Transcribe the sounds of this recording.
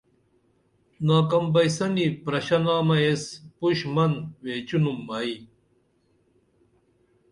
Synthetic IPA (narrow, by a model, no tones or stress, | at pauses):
naːkɐmbɐjsɐnipɾɐɕɐnaːmɐespuɕmɐnweːt͡ɕunumːɐi